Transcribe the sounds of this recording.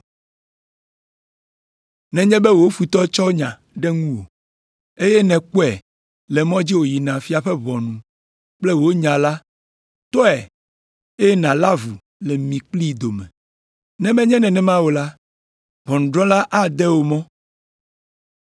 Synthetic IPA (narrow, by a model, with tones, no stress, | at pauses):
nɛ̃˨ɲɛ̃˦bɛ˦wo˨˦fu˨t̪ɔ˦t͡ʃɔ˦ɲã˨ | ɖɛ˦ŋũ˦wo̰˨ | e˦jɛ˦nɛ̃˨k͡po˦ɛ̰˨ | lɛ˨mɔ̃˦d͡ʑi˦wo˨ji˨nã˨fi˦a˨ɸɛ˦βɔ̃˨nũ˨ | k͡plɛ˦wo˦ɲã˨la˦ | t̪ɔ˦ɛ˨ | e˦ɛ˦nã˨la˦vu˨ | lɛ˨mĩ˨k͡pli˦d̪o˨mɛ̰̃˨ | nɛ̃˨mɛ̃˦ɲɛ̃˦nɛ̃˨nɛ̃˨mã˦wo˨la˦ | βɔ˨nũ˨ɖɾɔ̃˦la˦ʔa˦d̪ɛ˦wo˨mɔ̃˦